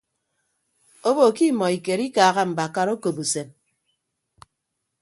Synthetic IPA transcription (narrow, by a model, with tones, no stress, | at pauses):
o˦bo˨ki˦mɔ˨i˨ke˨ɾi˦kaː˨ɣa˦m̩˨ba˨ka˦ɾo˦ko˨bu˨se˨m